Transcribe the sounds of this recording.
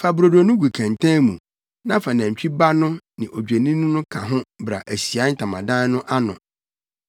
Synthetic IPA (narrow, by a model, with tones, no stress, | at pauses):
fa˨bɾo˨do˨nʊ̃˦ɡu˨kʰæ̃˨ntʰã˦mũ˨ | nã˦fa˨næ̃˨t͡ɕᶣi˦ba˦nʊ̃˦nɪ̃˨ʔo˨d͡ʑᶣe˨nĩ˦nʊ̃˦nʊ̃˦kʰã˨ɦʊ̃˦bɾa̰˨ʔæ˨si˨a˨˦n̩˦tʰã˨mã̰˨dã˦nʊ̃˦ʔa˦nʊ̰̃˨